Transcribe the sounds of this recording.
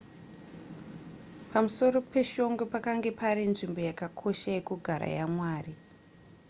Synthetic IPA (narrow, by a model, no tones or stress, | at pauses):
pamuso̞ɾo̞pe̞ʃo̞ŋɡopakaŋɡe̞paɾinʐimbo̞jakakʰo̞ʃaje̞kuɡʱaɾa̰ja̰mwaːri